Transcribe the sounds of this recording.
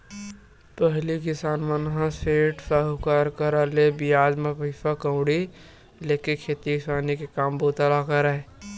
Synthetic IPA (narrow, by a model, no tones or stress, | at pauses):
pəɦlikɪsaːnmənɦãseːʈsaːɦukaɾkəɾalebijaːd͡ʒmẽpiːpakə̃ʊ̃ɽi | leːkikʰeːt̪ikɪsaːnikekaːmbot̪alakəɾae